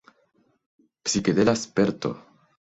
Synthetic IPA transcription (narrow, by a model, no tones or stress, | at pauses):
psiked̪elaspeɾt̪o̰